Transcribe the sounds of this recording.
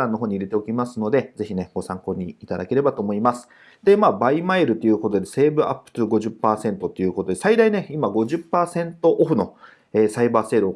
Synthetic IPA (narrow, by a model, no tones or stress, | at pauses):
ãnːo̞ɦoːɲ̟iɾe̞t̪e̞o̞kʲimasɨno̞d̪e̞ze̞çine̞ɡ̥o̞sãŋko̞ːɲ̟iːt̪ad̪ake̞ɾe̞bat̪o̞ːmo̞imasɨ̥ | d̪̥e̞maːbaimaeɾɯ̟t̪ːeiɯ̟ko̞t̪o̞d̪e̞se̞ːbɯ̟ʔa̰pːɯ̟̥ɯɡo̞ʑɨpːaːsẽ̞nt̪o̞t̪ːe̞jɯ̟ːko̞t̪o̞d̪e̞said̪aine̞imaɡo̞ʑɨpːaːsẽ̞nt̪o̞ʔːɸɯ̟no̞ | eːsaibaːse̞ːɾɯo